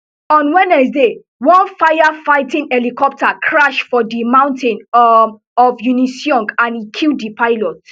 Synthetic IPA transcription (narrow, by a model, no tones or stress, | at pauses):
ɔ̃nwɛ̃nɛsde | wɔ̃nfajafaɪtĩnɛlikɔp̚takʰɹaʃfɔdimãʊ̃ntʰɛ̃n | ɔfjunisjɔ̃ŋkãnikʰildipaɪlɔt